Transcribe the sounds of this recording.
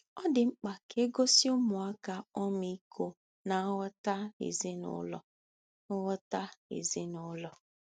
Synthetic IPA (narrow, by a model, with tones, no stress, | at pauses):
ɔ˦dɪ˨ŋ͡m̩˦k͡pa˨ke˦ɡo˦si˦ʊ˦mʊ˨a˦ka˦ɔ˦mi˦i˦kʰo˦ | na˨˦wɔ˦ta˦ḛ˨ze˦nʊ̰˨˦lɔ̰˨˦ | wɔ˦ta˦ḛ˨ze˦nʊ˨˦lɔ˨